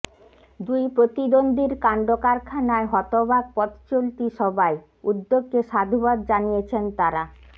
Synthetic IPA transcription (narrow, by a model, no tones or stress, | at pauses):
d̪ujpɾot̪id̪ond̪ʱiɾkaɳɖokaɾkʰanaeɦɔt̪obak̚pɔt̪t͡ɕolt̪iʃɔbae | ud̪ːoɡːeʃad̪ʱubad̪̚d͡ʑanijet͡ɕʰent̪aɾa